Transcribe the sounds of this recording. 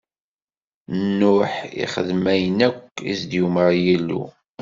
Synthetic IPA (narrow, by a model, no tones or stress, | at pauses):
nːʊħḭχəðmæjnækʷːḭsd̪juməʁjælːṵ